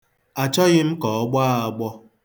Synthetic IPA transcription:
a˨t͡ʃɔ˦ɣɪ˦m̩˦kɔ˨ɔ˦ɡ͡ba˦a˨ɡ͡bɔ˦

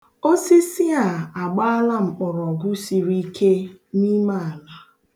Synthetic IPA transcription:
o˦si˦si˦a˨a˨ɡ͡ba˦a˦la˦m̩˨k͡pʊ˨ɾɔ˨ɡʊ˦si˨ɾi˦kʰe˦ni˦ma˦a˨la˦

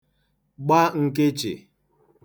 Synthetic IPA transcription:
ɡ͡ba˦ŋ̩˨ke˦t͡ʃḛ˨

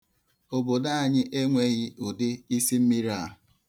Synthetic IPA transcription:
o˨bo˨da˦a˨ɲɪ˦ʔe˦ŋʷe˦ɣɪ˦ʊ˨dɪ˦i˦si˦m̩˦mi˦ɾa˦˨

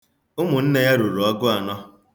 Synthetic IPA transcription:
ʊ˦mʊ˨n̩˦ne˦ja˦ɾu˨ɾʊ˨ɔ˦ɡʊ˦a˨nɔ˦

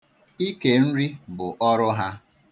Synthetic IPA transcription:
i˦ke˨n̩˦ɾi˦bʊ˨ʔɔ˦ɾʊ˦ɦa˦

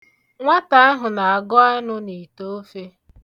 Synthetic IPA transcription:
ŋʷa˦ta˨a˦ɦʊ˨na˨a˨ɡɔ˦a˦nʊ˦ni˨to˦fe˦

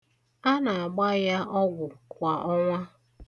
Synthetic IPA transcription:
a˦na˨a˨ɡ͡ba˦ja˦ɔ˦ɡʷʊ˨kʷa˨ʔɔ˦ŋʷa˦

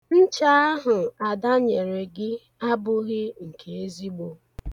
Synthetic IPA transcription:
n̩˦t͡ʃa˦a˦ɦʊ˨a˨da˦ɲe˨ɾe˨ɡɪ˦ | a˦bʊ˦ɣɪ˦ŋ̩˨kʰe˨e˦zi˦ɡ͡bo˦

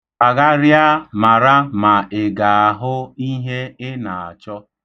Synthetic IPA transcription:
a˨ɣa˦ɾja˦ma˨ɾa˦ma˨ɪ˨ɡa˨a˨ɦʊ˦i˦ɦe˦ɪ˦na˨a˨t͡ʃɔ˦

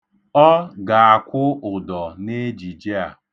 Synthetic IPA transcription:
ɔ˦ɡa˨a˨kʷʊ˦ʊ˨dɔ˨ne˦d͡ʒi˨d͡ʒe˦a˨

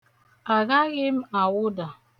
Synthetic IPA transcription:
a˨ɣa˦ɣɪ˦m̩˦a˨wʊ˦da˨

